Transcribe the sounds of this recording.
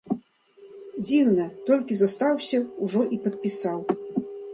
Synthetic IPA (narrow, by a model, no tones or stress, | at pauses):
d͡zʲiwnɐt̪ɔlʲkʲizast̪awsʲɐuʐɔʔipɐt̪̚pʲisaw